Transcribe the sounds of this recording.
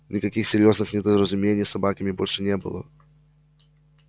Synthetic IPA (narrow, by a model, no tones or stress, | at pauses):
nʲɪkɐkʲixsʲɪɾʲjo̞znɨxnʲɪd̪əɾəzʊmʲenʲɪjsɐbakəmʲɪbo̞lʲʂɨnʲebɨ̰lˠə̰